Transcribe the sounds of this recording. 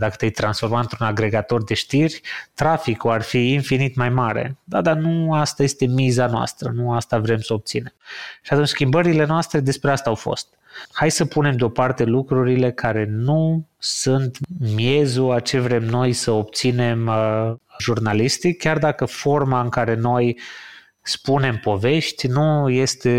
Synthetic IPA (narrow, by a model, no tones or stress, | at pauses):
d̪akə̥t̪eajt̪ɾansfo̞rmat̪ɨnt̪ɾunaɡɾe̞ɡat̪o̞rd̪e̞ʃt̪irʲt̪ɾafikuarfiːnfinit̪majmaɾe̞̰d̪ad̪anuast̪aje̞st̪e̞mizanoa̰st̪ɾənuast̪avɾe̞msəo̞p̚t̪sine̞mʃiat̪unt͡ʃʲskʲimbəɾile̞noast̪ɾe̞d̪e̞spɾe̞ast̪aːwfo̞̰st̪ | hajsəpune̞md̪eo̞part̪e̞lukɾuɾile̞kʰaɾe̞nusunt̪mje̞zuat͡ʃe̞vɾe̞mno̞jsəo̞p̚t̪sine̞m | ʒurnalist̪ikʲard̪akəfo̞rmaɨŋkaɾe̞no̞j | spune̞mpo̞ve̞ʃt̪ʲnuje̞st̪e̞